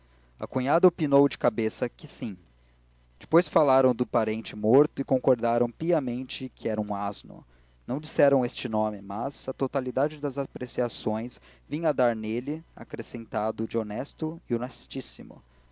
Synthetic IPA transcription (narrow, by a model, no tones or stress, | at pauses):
ɐ̰kũɲad̪ɐopinowd͡ʒɪkabesɐkɪsĩ | d͡ʒɪpojsfalaɾɐ̃w̃d̪ʊpaɾẽnt͡ʃɪmoɾt̪ʊɪkõŋkoɾd̪aɾɐ̃w̃piɐmẽnt͡ʃɪkʰɪɛɾɐũaznʊ̰ | nɐ̃w̃d͡ʒisɛɾɐ̃w̃est͡ʃɪnõmɪmɐzɐt̪ot̪alid̪ad͡ʒɪd̪ɐzapɾesiasõj̃svĩɐd̪aɾnelɪa̰kɾesẽnt̪ad̪ʊd͡ʒɪonɛst̪ʊɪʊnɛst͡ʃisimʊ̰